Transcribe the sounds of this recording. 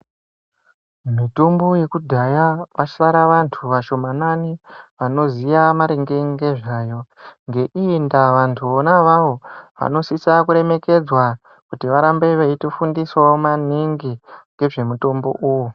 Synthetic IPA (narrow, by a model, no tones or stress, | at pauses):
mitumboje̞kudʱajaʋaʃaɾaʋantʰuʋaʃo̞mananiʋano̞zijamaɾeŋɡe̞ŋɡe̞ʐaːjo̞ŋɡe̞ʔiːndaʋantʰuonaʋaʋo̞ʋa̰no̞sisakuɾe̞me̞ke̞d͡zwa | kutiʋaɾambe̞ʋeitofundiswamaniŋɡiŋɡe̞ʐe̞muto̞mbo̞̰ʔuːju